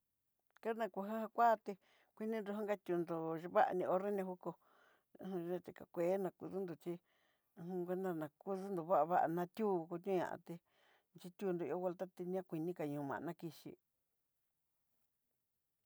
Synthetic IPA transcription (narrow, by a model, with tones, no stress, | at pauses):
ka˦nã˧ku˧ɦa˦ha˧kʷa˦˧t̪e˧ | kʷi˧nĩ˦nɾu˧ɦã˦ŋɡa˦t̪ʲu˧nd̪o˧ʒβa˦ʔa̰˧nĩ˧o˧ɾe˦n˧ã˧hu˦ko˧ | ũ˧ẽ˦t̪e˨ka̰˨kʷe˨˦nã˧ku˧ðu˦nd̪o˨t͡ʃi˧ | ɦũ˧kʷe˦nd̪a˧nã˨˧ku˦ðu˦nd̪o˨βa˦ʔa˧βa˦ʔa̰˨nã˧t̪ʲuː˦˧ko˧t̪ʲũ˦ɲã̰˨ã̰˧t̪e˧ | nt͡ʃi˧t̪ʲu˧nd̪o˨˧i˧˦o˦ɣe˧lt̪a˦t̪i˧nĩ˦ã˦kʷi˧nĩ˦ka˨ɲũ˨˧mã̰˨˧nã˦˧ki˧ʃḭ˧